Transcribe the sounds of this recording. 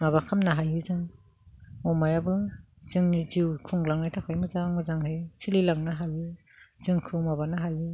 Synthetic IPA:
maβakʰamnaɦajɯzɯŋ | mɔmajabɯ | zɯŋniziwkʰuŋlaŋnajtʰakʰajmɯzaŋmɯzaŋhɯjsʰililaŋnaɦajɯ | z̥ɯŋkʰɯwmabanaɦajɯ

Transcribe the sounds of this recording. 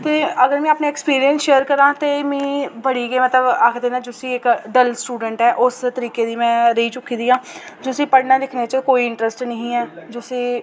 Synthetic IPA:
t̪eːəɡəɾmɛ̃ːaːpneːɛkspiːɾijə̃nsʃeːəɾkəɾãːt̪eːmɛ̃ːbəɽiːɡeːmət̪ləbaːkʰd̪eːnaːd͡ʒoːsiːɪkɖəlsʈuːɖəɳʈɦɛːʔʊst̪əɾiːkeːd̪iːmɛ̃ːɾəiːt͡ʃʊkːiːd̪iːãː | d͡ʒoːsiːpəɽnaːd̪ɪkʰneːt͡ʃəkoːiːɪ̃ɳʈɾəsʈnəɦĩːɛːd͡ʒoːsiː

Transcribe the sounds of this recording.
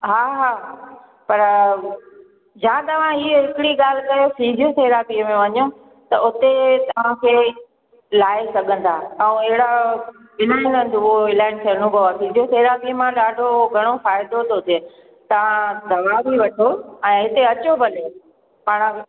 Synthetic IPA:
ɦaːɦaː | pɐɾ | d͡ʑãːt̪ɐʋ̤ãiːɦɪkɪɽiɠaːl̤kɐjofiːzʱijoseːɾapiəmẽʋɐɲõ | t̪ɐʔʊt̪et̪ɐʋ̤ãkʰeː | laːesɐɠʱə̃nd̪aːaũɐɦɪɽa | ɪlaːɪnɐ̃n̆d̪uɦoʋɪlaːɪnseɾñũkɐʋafiːd͡ʒʱijoseːɾapiəmãɗaːɖʱoɡʱɐɽ̃ofaːɪd̪ot̪oʊt̪ʰe | t̪ɐʋ̤ãd̪ʱɐʋaːbʱiʋɐʈʰoɛ̃ːɦɪt̪eɐt͡ɕobɐle | paːɽ̃ə

